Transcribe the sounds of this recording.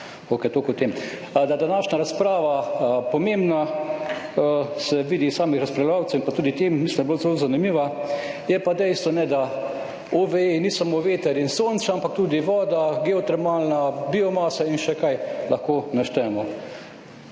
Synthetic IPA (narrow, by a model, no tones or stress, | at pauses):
oːkɛt̪okʊt̪em | d̪ad̪anaːʃnaɾaspɾaːʋapɔmembna | sɛʋiːd̪isaːmixɾɐspɾalʋaːwt͡s̪ɛwimpat̪uːd̪it̪eːmːislinabolzɛlozanimiːʋajɛpad̪ɛɪst̪ʋɔnɛd̪a | oʋeenisamoːʋeːt̪ɛɾinsoːnsaampak̚t̪uːd̪iʋɔːd̪aɡɛɔt̪ɾɛmaːlnabiɔmaːsainʃɛkajlʔaxkoːnaʃt̪ɛmɔ